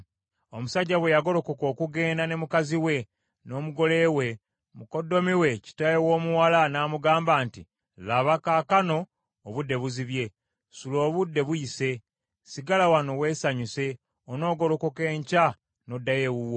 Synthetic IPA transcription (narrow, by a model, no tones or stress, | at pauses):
omusaɟːaβwe̞jaɡo̞ɾo̞ko̞ko̞ːkuɡe̞ːndane̞mukaziwe̞ | no̞ːmuɡo̞le̞we̞ | muko̞dːo̞miwe̞ci̥tajewo̞ːmuwalanaːmuɡaːmbaːnti | laβakakano̞ː | βudːe̞βuziβje̞ | sulo̞ːβudːe̞βujise̞ | siɡalawano̞we̞ːsaɲuse̞ | ono̞ːɡo̞ɾo̞ko̞ke̞ːɲca | no̞dːaje̞wuwo